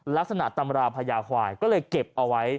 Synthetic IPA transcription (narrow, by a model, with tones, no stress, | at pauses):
la˦˥k̚sa˧na˨˩ʔt̪a˧mɾaː˧pʰaː˧jaː˧kʰwaː˨˩jkɔː˥˩lɤː˧jke˨˩p̚ʔa˧wa˦˥j